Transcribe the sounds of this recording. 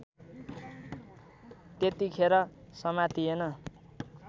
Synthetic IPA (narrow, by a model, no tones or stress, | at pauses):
t̪et̪ikʰeɾʌsʌmat̪ienʌ